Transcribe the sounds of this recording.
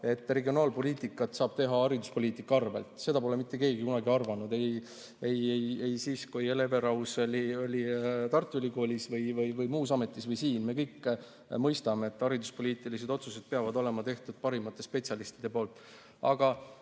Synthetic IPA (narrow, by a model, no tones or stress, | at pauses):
e̞t̪ːˑre̞ɡio̞nɑːlpo̞lʲiːt̪ˑikːˑɑt̪sɑːb̥̚t̪e̞ɦɑɑɾid̪uspo̞lʲiːt̪ːˑikːɑɑrvḛlt̪ˑse̞d̪ɑpo̞lemit̪ˑːe̞ke̞ːɡikunɑɡiɑrvɑnud̪e̞j | ejejejsiːskujeleve̞ɾɑwso̞lʲio̞lʲit̪ɑrt̪ːˑuylʲiko̞ːlʲisvɤjvɯjvɯjmuːsɑme̞t̪ːˑisvɤjsiːnme̞ːkɤjkː | mɤjst̪ɑmeet̪ːɑɾid̪uspo̞lʲiːt̪ˑilis̬e̞d̪o̞t̪suse̞d̪̥̚peɑvɑd̪o̞le̞mɑt̪e̞ht̪ud̪̥̚pɑɾimɑt̪ːˑe̞spe̞t̪siɑlist̪id̪̥e̞poːlt̪ːˑ | ɑ̰ɡ̥ɑ